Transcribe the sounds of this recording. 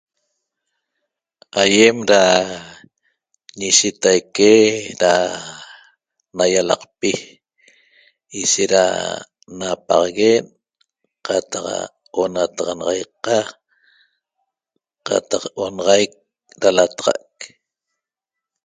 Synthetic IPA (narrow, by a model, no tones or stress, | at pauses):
ajemɾa | ɲiʃit̪ajkeɾa | najalɑ̰qpi | iʃeʔɾa̰ | napɑʁɣen | qat̪ɑq | onat̪ɑʁɑnɑʁɑjqa | qa̰t̪ɑqonʁɑjk̚ | ɾalat̪ʁɑ̰k̚